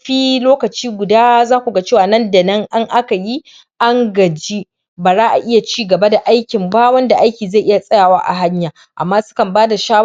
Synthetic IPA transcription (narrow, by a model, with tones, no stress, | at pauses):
ɸiː˦loː˦kɐ˨t͡ʃiː˦ɡʷʊ˨daː˦zaː˦kʷu˨ɡa˦t͡ʃeː˦˨waː˨nɐ˦˨nda˨nɐ˦ŋʔa˦ŋʔa˦ka˨ji˦ | ʔa˦ŋɡɐ˨d͡ʒi˦ | baː˨zaː˦ʔa˨ʔɪ˦ja˨t͡ʃiː˦ɡɐ˨ba˦da˨ʔa˦jkʲɪ˨mbaː˦wɐ˦nda˨ʔa˦jkʲiː˨za˦˨ʔɪ˦ja˨sʼɐ˦jaː˨waː˦ʔa̰˨ɦa˦ɲjaː˨ | ʔa˨mːaː˦sʊ̥˦kɐ˨mbaː˦da˨ʃaː˦w